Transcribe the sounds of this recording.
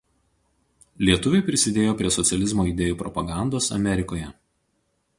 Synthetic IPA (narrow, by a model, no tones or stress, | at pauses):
lʲiɛt̪ʊʋʲɛɪpʲɾʲɪsʲɪd̪ʲeːjoːpʲɾʲiɛsɔt̪sʲɛlʲɪzmoːid̪ʲeːjuːpɾɔpɐɡɑˑnd̪oːsɐ̰mʲɛɾʲɪkoːjɛ